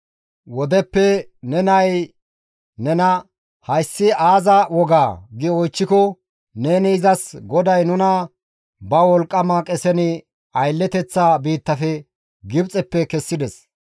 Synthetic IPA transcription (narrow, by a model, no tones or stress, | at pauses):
wɔd̪ɛpːɛ | nɛnɐj | nɛnɐ | hɐjsːɪʔaːzɐwɔɡaːɡɪɔjt͡ʃːɪkɔ | ne̞ːnɪɪzɐsɡɔd̪ɐjnʊnɐ | bɐwɔlkʼːɐmɐkʼɛsɛnɪ | ɐjlːɛt̪ɛt͡sːaːbiːt̪ːɐfɛ | ɡɪbt͡sʼɛpːɛkɛsːɪd̪ɛs